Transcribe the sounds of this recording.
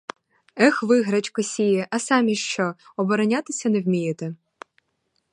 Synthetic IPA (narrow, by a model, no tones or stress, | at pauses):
ɛxʋɪɦɾɐt͡ʃkɔsʲijɪʔɐsɑmʲiʃt͡ʃɔɔbɔɾɔnʲat̪ɪsʲɐnewmʲijet̪e